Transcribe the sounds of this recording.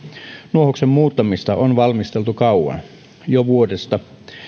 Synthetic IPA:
nuohoksemmuːt̪ːɑmist̪ɑʔonʋɑlmist̪elt̪ukɑuwɑ̰n | joʋuodest̪ɑ

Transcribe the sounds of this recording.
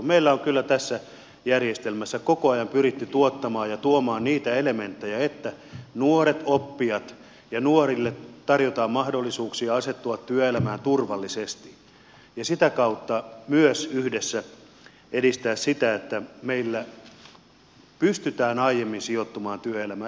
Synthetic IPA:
meilːæoŋkylːæt̪æsːæ | jærjest̪elmæsːækokoɑjɑmpyɾit̪ːyt̪uot̪ːɑmɑːjɑt̪uomɑːnniːt̪æelement̪ːejæet̪ːænuoɾet̪opːiɑt̪ | jɑnuorilːett̪ɑrjot̪ɑːmmɑhdolːisuːksiɑɑset̪ːuɑt̪t̪yøelæmæːnt̪urʋɑlːisest̪i̥ | jɑsit̪ækɑut̪ːɑmyøsyhdesːæ | edist̪æːssit̪æet̪ːæmeilːæ | pyst̪yt̪æːnɑijemːinsiot̪ːumɑːnt̪yøelæmæ

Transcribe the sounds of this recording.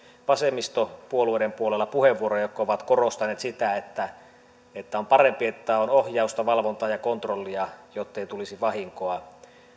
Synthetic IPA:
ʋɑsemːist̪opuolueˑɾempuolelːɑpuheʋːuoɾojokkːoʋɑt̪korost̪ɑneːt̪sit̪æet̪ːæ | et̪ːæompɑrempiet̪ːæonohjɑˑust̪ɑʋɑlʋont̪ɑːjɑkont̪rolːiɑjot̪ːeit̪ulisiʋɑhiŋkoɑ

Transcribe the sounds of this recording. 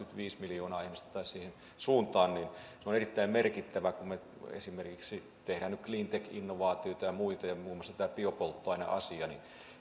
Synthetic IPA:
kyt̪ʋiːsmiljoːnɑːihmist̪ɑ̥t̪ɑˑissiːhen | suːnt̪ɑːnninseonerit̪ːæimmerkit̪ːæʋækumme | ḛsimerkiksi | t̪ehɾæːnnykkliːnt̪ekḭnːoʋɑːt̪ioit̪ɑjɑmuit̪ɑjɑmuːmːˑɑsɑt̪t̪æːpiopolt̪ːoɑˑinɑ̰ʔɑ̰siɑnin

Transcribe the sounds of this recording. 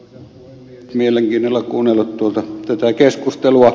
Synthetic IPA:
mieleŋkiːnolːɑkuːnːelːˑut̪t̪uolt̪ɑt̪æt̪ækeskust̪eluɑ

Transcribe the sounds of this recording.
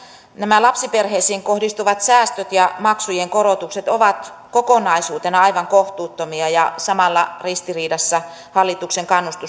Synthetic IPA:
næmælɑpsiperheisiːŋkohdist̪uʋɑt̪sæːst̪øt̪jɑmɑksujeŋkoɾot̪ukset̪oʋɑt̪ | kokonɑisuːt̪enɑɑiʋɑŋkoht̪uːt̪ːomiɑjɑsɑmɑlːɑrist̪iriːdɑsːɑ | hɑlːit̪ukseŋkɑnːust̪u

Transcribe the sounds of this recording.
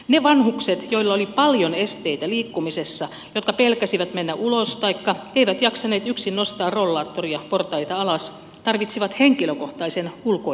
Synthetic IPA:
neʋɑnhukset̪joilːɑolipɑljonest̪eit̪æliːkːumisesːɑ | jot̪kɑpelkæsiʋæt̪menːæʔulost̪ɑikːɑeiʋæt̪jɑksɑneːt̪yksinːost̪ɑːrrolːɑːt̪ːoriɑport̪ɑit̪ɑɑlɑs | t̪ɑrʋit̪siʋɑt̪heŋkiløkoht̪ɑisenulko

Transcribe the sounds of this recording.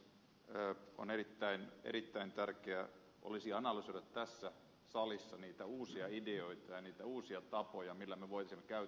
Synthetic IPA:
əːo̰nerit̪ːæinḛɾit̪ːæint̪ærkeæ | ʔo̰lisiɑnɑlysoiʋɑt̪t̪æsːæ | sɑlisːɑniːt̪æuːsiɑideoit̪ɑjɑniːt̪æuːsiɑt̪ɑpojɑmilːæmeʋoit̪isimːekæy

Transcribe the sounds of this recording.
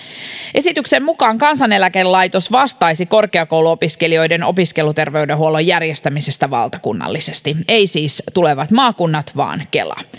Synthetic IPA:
ʔe̞sit̪yksemmukɑːŋkɑnsɑnelækelɑjt̪o̞sʋɑst̪ɑjsiko̞rkeɑkouluopiskelio̞jdeno̞̰piske̞lut̪e̞rʋe̞ydeɦuolojærjest̪æmisest̪æʋɑ̰lt̪ɑkunːɑ̰lːisest̪iejsiːst̪uleʋɑt̪mɑːkunːɑt̪ʋɑ̰ːnke̞̰lɑ̰

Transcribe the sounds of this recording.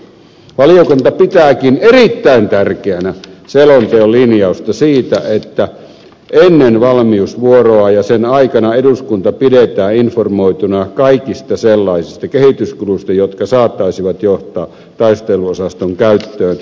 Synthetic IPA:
ʋɑliokunt̪ɑpit̪æːkinerit̪ːæint̪ærkeænæselont̪eolinjɑust̪ɑsiːt̪æʔet̪ːæ | ʔenːenʋɑlmiusʋuoroɑjɑsenɑikɑnɑeduskunt̪ɑpidet̪æːinformoit̪unɑkɑikist̪ɑselːɑisist̪ɑkehit̪yskulust̪ɑjot̪kɑsɑːt̪ːˑɑisiʋɑt̪joht̪ˑɑː | t̪ɑist̪eluosɑst̪oŋkæyt̪ːøːn

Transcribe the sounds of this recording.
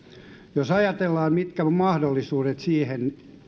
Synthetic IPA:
josɑjɑt̪elːɑːmmit̪kæmɑhdolːisuːdet̪siːhen

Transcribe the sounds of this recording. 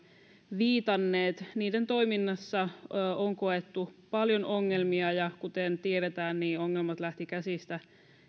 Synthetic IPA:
ʋiːt̪ɑnːeːt̪niːdent̪o̞iminːɑsːɑːoŋko̞et̪ːupɑljonoŋːelmiɑjɑkut̪ent̪ieɾet̪æːnniːoŋːelmɑt̪læht̪ikæsist̪æ

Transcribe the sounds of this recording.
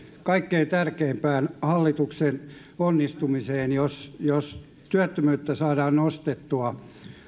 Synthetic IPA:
kɑikːeint̪ærkeːmpæːnhɑlːit̪uksen | onːist̪umiseːnjosjos | t̪yæt̪ːømyːt̪ːæsɑːdɑːnnost̪et̪ːuɑ

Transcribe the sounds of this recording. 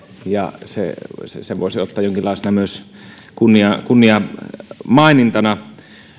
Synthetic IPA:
jɑ̰sḛsseʋo̰ˑesiot̪ːɑːjjoŋkilːɑˑesenɑmyøs | kunːiɑkunːiɑ | mɑˑenint̪ɑnɑ

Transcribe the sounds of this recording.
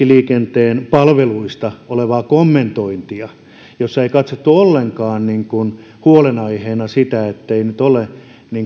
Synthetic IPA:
iliːkent̪eːnpɑlʋeluist̪ɑoleʋɑːkomːent̪oint̪iɑ | josːɑeikɑt̪sot̪ːuolːeŋkɑːnniŋkun | huolenɑiheːnɑsit̪æet̪ːeinyt̪ole | niŋ

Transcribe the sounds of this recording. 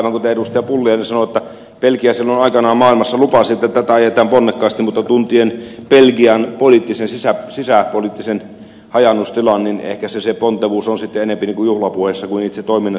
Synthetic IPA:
ʋɑŋkut̪æedust̪eɑpulːiɑnesɑnoet̪ːæ | pelkiæsielːonɑikɑnɑːmɑːilmɑsːɑlupɑsiet̪ːæt̪ːæt̪æɑjet̪ˑɑːmponːekːɑːst̪imut̪ːɑt̪unt̪ienpelkiɑnpolit̪ːisensisæsisæpoliˑt̪ːisen | hɑjɑnːust̪ilɑnninḛhkæsesepont̪ːeʋuːsonsit̪ːeenempiniːŋkujuhlɑpuhesːɑkuniːt̪set̪oˑiminːɑ

